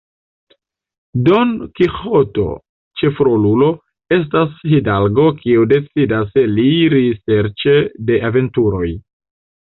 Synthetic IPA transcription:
do̞nkixoto̞̰ | t͡ʃe̞fɾolulo̞ | e̞s̬tashidalɡo̞kʰiude̞t͡sidaseliɾise̞ɾt͡ʃe̞de̞ʔave̞ntuɾo̞j

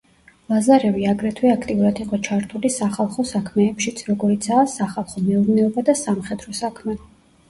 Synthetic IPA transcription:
lazaɾɛviaɡɾɛt̪ʰwɛakʰt̪ʼiuɾad̪iqʼɔt͡ʃʰaɾt̪ʰulisaχalˠχɔsakʰmɛːpʃit̪sʰɾɔɡɔɾit̪sʰaːsaχalˠχɔmɛuɾnɛɔbad̪asamχɛd̪ɾɔsakʰmɛ

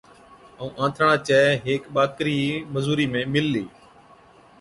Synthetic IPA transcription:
əũːʔãːt̪ʰəɳ̃ãːt͡ʃɛːɦeːkɓaːkɾiːməzuːɾiːmẽːmɪlːiː

